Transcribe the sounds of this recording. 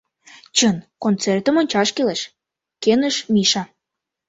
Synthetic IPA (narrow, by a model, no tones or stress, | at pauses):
t͡ɕənkont͡sert̪ə̆monʲt͡ɕɑʃkeleʃ | kenəʃmiʃɑ